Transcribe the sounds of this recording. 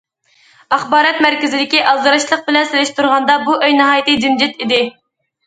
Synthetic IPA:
ɑχbɑːɾɑt̪mæɾkʲɪzɪd̪ɪkʲiʔɑlˠd̪ɨɾɨʃlˠəq̚bɪlɛnselɪʃt̪ʰuɾʁɑnd̪ɑbuʔøjnɨɦɑːjt̪ɨd͡ʒ̪ind͡ʒɪt̪id̪ɪ

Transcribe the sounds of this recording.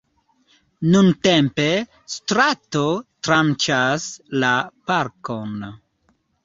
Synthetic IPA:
nuntempe | stɾatotɾamt͡ʃaslapaɾko̞n

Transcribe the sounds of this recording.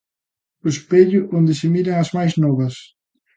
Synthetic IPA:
ʊspeʎʊʔond̪ɪsɪmiɾɐŋɐzmajznɔβɐs

